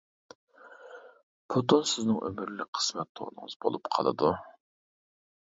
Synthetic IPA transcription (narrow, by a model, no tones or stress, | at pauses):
pʰot̪osɪznɪŋʔø̰mɪɾlɪqʰə̥smɛt̪ʰːo̰ʁnɨ̰ŋəz̥bo̰lˠupqʰɑlˠɨ̰d̪u